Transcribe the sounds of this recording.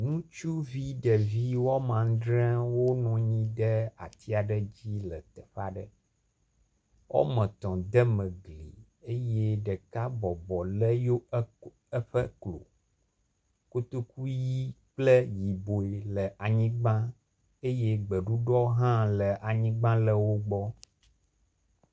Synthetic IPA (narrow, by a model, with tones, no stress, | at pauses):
nũ˦t͡ʃu˦vi˦ɖə˨vi˦wɔ˦mã˨˦dɾɛ̃˦wo˦nɔ̃˨ɲĩ˦ɖə˦a̰˨t̪i˦a˨ɖə˦d͡ʑi˦lə˨t̪ə˨ɸa̰˦ɖə˦ | wʔɔ̰˦mə̃˨t̪ɔ̃˨d̪ə˦mə̃˨ɡlḭ˨ | e˦je˦ɖə˨ka˦bɔ˨bɔ˨lə˦jo˦ | ə˦ɸə˦klo̰˨ | ko˦t̪o˦ku˦ji˦k͡plə˦ji˨bo˨e˨lə˨ʔa˨ɲĩ˦ɡ͡bã˦ | e˦je˦ɡ͡bə˨ɖu˦ɖɔ˦ɦã˦lə˨ʔa˨ɲĩ˦ɡ͡bã˦lə˨wo˦ɡ͡bɔ˦